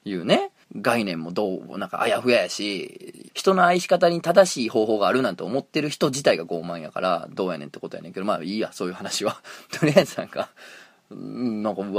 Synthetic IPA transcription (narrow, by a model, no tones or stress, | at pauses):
jɯ̟ːne̞ | ɡainẽ̞mːo̞d̪o̰ːnãŋka̰ʔa̰jaɸɯ̟jajaɕiçi̥t̪o̞no̞aiɕi̥kat̪aɲ̟it̪ad̪aɕiːho̞ːɦo̞ːɡaːɾɯ̟nãnt̪oomo̞t̪ːe̞ɾɯ̟çi̥t̪o̞d͡ʑit̪aiɡaɡo̞ːmãɰ̃ja̰ka̰ɾa̰d̪o̞ːja̰nḛ̃nt̪ːeko̞t̪o̞ja̰ne̞ŋke̞d̪oma̰ːiːja̰so̞ːjɯ̟ːhanaɕiβat̪oɾʲiazɨnãŋɡa | nãŋka